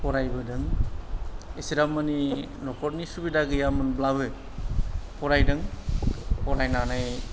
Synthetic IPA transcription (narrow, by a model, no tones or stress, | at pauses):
pɔɾajbɯdɯŋ | isiɾamːani | nɔkʰɔɾnisubidaɡɯjamɯnblaβɯ | pʰɔɾajdɯŋ | pʰɔɾajnanaj